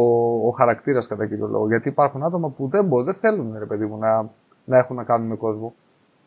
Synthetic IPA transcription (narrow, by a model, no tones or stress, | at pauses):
oːxɐɾɐkt̪iɾɐskɐt̪ɐcinjo̞̰lʔo̰ɣoʝɐt̪iːpɐɾxunɐt̪o̞mɐpuðe̞mboðeθe̞lunɾe̞pe̞ðimunɐ | nɐe̞xunːɐkɐnuneko̞zvo̞